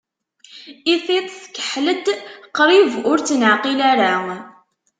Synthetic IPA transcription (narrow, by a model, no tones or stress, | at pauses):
iθit̪ˤθkːə̥ħləd̪qːɾˤivʊɾt͡sːnəʕqilaɾa